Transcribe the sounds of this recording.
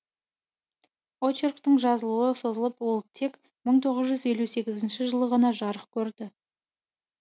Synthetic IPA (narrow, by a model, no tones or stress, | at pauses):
ot͡ʃerkt̪əɴʒɑzəlˠuəso̞zəlˠəpwo̞lˠt̪ʰe̞k | məɴt̪ʰo̞ʁəzʒʏze̞luse̞ɡʲɪzɪnʃɪʒəlˠəʁənɑʒɑɾəqkʲʰɵɾd̪ɪ